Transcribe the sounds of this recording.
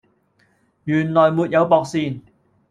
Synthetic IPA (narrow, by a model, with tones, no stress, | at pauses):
jyː˨˩nlɔː˨˩jmuː˨˧t̚jɐ˨˧wpɔː˨˧k̚siː˧n